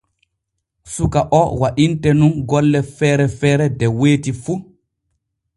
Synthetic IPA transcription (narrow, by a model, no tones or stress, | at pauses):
sukaʔɔwaʔintɛnunɡɔlːɛfɛːɾɛfɛːɾɛdɛweːtifu